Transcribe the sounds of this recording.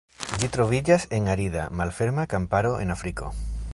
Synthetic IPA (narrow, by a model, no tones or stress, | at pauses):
ʎit̪ɾoβ̞iʎaseŋaɾiða̰malfeɾmakampaɾoʔḛnafɾiko̰